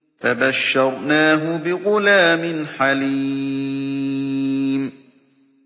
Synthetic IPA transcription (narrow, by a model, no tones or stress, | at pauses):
fabaʃːɑɾˤnaːɦʊbɪɣʊlaːmɪnħaliː | m